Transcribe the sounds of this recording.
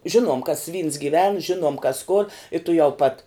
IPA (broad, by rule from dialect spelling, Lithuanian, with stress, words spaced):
ˈʒʲɪnuɔm kɐs ʋʲiːns ɡʲiːˈʋʲɛn ˈʒʲɪnuɔm kɐs koːr ɪ tʊˈjɛʊ pɐt